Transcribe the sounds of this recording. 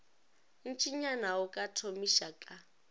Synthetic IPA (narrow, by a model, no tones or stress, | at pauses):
n̩t͡ʃʼiɲanaʊkʼatʰomiʃakʼa